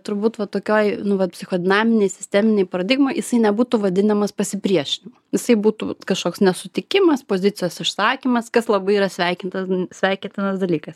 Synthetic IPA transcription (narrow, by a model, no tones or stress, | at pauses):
t̪ʊɾbuːt̪ʋɐt̪oːkʲoːjnʊʋɐtpʲsʲɪxoːd̪ʲɪnɑːmʲɪnʲeɪsʲɪ̥sʲt̪ʲɛmʲɪnʲɛɪpɐɾɐd̪ʲɪɡmoːɪjɪsɐɪnʲɛbuːt̪ʊʋɐd̪ʲɪnɐmɐspɐsʲɪpʲɾʲiɛʃʲɪnʲɪmɐjɪsɐɪbuːt̪ṵkɐʃkoːksnʲɛsʊt̪ʲɪkʲɪmɐspoːzʲɪt͡s̪ʲɪjoːsɪʃsɑːkʲiːmɐskɐslˠɐbɐɪiːɾɐsʲʋʲɛɪkʲɪnt̪ɐsʲʋʲɛɪkʲnʲt̪ʲɪnɐsd̪ɐlʲiːkɐs